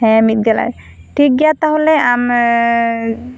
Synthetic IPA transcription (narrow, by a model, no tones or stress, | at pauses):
ɦɛ̃mit̚ɡala̰j | tʰik̚ɡijat̪aɦolɛam